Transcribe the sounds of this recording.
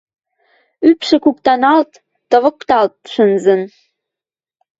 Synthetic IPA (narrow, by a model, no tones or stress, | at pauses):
ypʃɘ̆kukt̪ɑnɑlt̪ː | ɤ̆βə̆kt̪ɑlt̪̚ʃənzə̆n